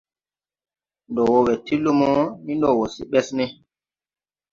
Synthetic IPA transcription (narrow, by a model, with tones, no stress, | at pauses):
ndɔ˨wɔ˦wɛ˨ti˦lːu˦mɔ˦mi˦ndɔ˨wɔ˨si˦ɓɛ˦snɛ˦